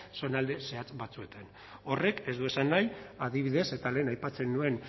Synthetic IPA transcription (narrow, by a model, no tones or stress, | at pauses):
so̞nald̪e̞se̞at͡sbat͡sue̞t̪an | o̞re̞ke̞zd̪ue̞sanːajaðiβ̞iðe̞se̞t̪ale̞ːnajpat͡se̞nːue̞n